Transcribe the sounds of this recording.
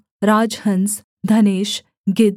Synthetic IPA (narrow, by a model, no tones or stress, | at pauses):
ɾaːd͡ʒhəns | d̪ʱɐneːʃ | ɡed̪